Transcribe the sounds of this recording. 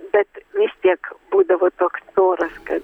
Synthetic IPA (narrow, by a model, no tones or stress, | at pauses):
bʲɛt̪mʲisʲt̪ʲiɛkbuːd̪ɐʋoːt̪oːkst͡s̪oːɾɐskɐt̪